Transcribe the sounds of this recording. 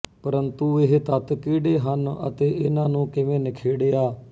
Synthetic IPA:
pəɾənt̪uːɪɦt̪ət̪kiːɖeːɦənə̰t̪eːɪnãːnũːkɪʋẽːnɪkʰeːɽeːaː

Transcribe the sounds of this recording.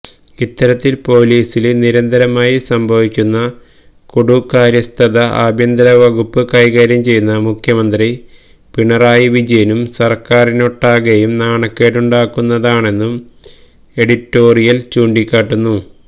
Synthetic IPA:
it̪ːɐɾɐt̪ːilpo̞ːliːsilniɾɐnd̪ɐɾɐmaːjisɐmbʱɐʋikʲːunːɐ | kuɽukaːɾjɐst̪ʰɐðɐʔaːbʱjɐnd̪ɐɾɐʋɐɣupːɨkɐjɣaːɾjɐmt͡ɕe̞junːɐmukʰjɐmɐnd̪ri | piɳɐraːjiʋid͡ʑɐjɐnumsɐrkaːrinoʈːaːɣɐjumnaːɳɐkːeːʈuɳɖaːkːunːɐðaːɳe̞nːum | e̞ɽiʈːo̞ːrijɐlt͡ɕuːɳɖikʲːaːʈːunːu

